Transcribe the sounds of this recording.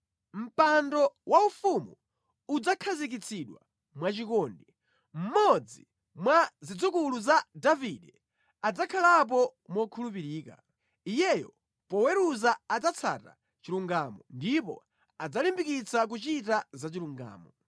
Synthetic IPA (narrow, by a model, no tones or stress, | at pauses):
m̩pandɔwaufumu | ud͡zakʰazik̬it͡sʰiɗwa̰ | mwat͡ʃikɔːndɛ | m̩mɔd͡zi | mwazid͡zukuluzadaviɗɛ | ad͡zakʰalap̬ɔmɔkʰulupiɾiːka̰ | ijɛjɔ̰ | pɔwɛɾuzaad͡zat͡sʰa̰ta̰ | t͡ʃiɾuŋɡamɔndipɔ̰ | ad͡zalimbikit͡sʰak̬ut͡ʃitazat͡ʃiɾuŋɡa̰ːmɔ